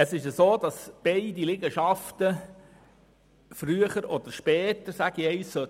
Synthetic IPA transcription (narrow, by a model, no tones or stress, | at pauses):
əsɪʃəsoːd̪ɑsb̥eɪdilɪɡəʃɑft̪ə | fɾyəχəɾɔd̪əɾʃpɛːt̪əɾsæɡ̥ieɪssø